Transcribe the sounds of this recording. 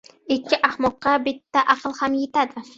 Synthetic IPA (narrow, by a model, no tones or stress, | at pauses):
ɪkʲʰːɪʔahmɒqːɑbɪt̪ʰːaʔɑqʰɨlˠhamjet̪ʰad̪ɪ